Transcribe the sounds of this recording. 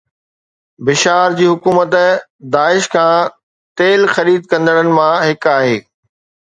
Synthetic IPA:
bɪʃaːɾd͡ʑiːɦʊkuːmət̪d̪aːɪʃkʰãː | t̪eːlxɐɾiːd̪̚kɐ̃nd̪əɽənɪ̆mãɦɪkaːɦeː

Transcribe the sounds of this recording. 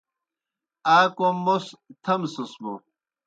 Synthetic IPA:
aːkomːost̪ʰɐmsusbo

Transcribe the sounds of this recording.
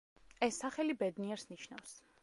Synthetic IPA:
ɛsːaχɛlibɛd̪niɛɾsniʃnafs

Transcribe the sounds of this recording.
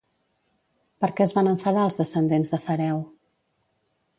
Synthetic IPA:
pəɾkɛəzβanəɱfəðaəlˠzðəsənd̪enzðəfəɾɛw

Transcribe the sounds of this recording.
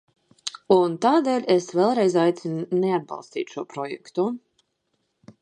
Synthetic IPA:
unt̪aːd̪eːlʲesvɛlˠɾɛjzajt̪sinnead̪̚bɑ̰lˠst̪ḭːt̪ʃuɔpɾɔjɛ̰kt̪u

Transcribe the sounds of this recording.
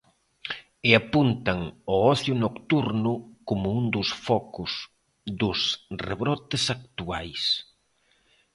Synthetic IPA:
ɪapunt̪ɐŋɔɔθjʊnokt̪uɾnʊkomʊund̪ʊsfɔkʊs | ðʊsreβɾɔt̪ɪsakt̪uajs

